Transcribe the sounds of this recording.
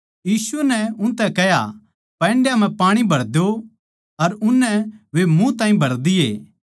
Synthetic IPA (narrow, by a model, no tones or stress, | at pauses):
jiːsʊɛnɛʊ̃nt̪ɛ̃kɛja̰ | pɛ̃ːɳɖjam̤ɛ̃paːɽ̃ibʱɐɽd̪o | ɐɾʊnːɛʋemũt̪ãːĩbʱɐɾd̪ɪjeː